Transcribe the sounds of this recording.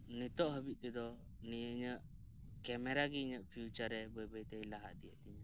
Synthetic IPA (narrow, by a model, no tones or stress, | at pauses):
nit̪ɔʔɦəbit̪̚t̪ɛd̪ɔ | nijəɲəʔ | kɛmɛɾaɡiɲəʔpʰijut͡ʃaɾɛbəjbəjt̪ɛjlaɦaʔd̪ijɛʔt̪iɲə